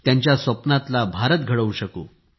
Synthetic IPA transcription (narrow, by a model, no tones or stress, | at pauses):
t̪jaɲt͡ɕjasʋəpnat̪labʱaɾət̪̚ɡʱəɭəʋuɕəko̰ː